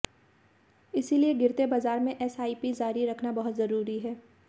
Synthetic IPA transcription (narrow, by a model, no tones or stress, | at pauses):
ɪsilieɡɪɾt̪ebaːzaːɾmẽʔɛsaːiːpizaːɾiɾɐkʰnabɐɦʊt̪zɐɾuːɾiɦɛː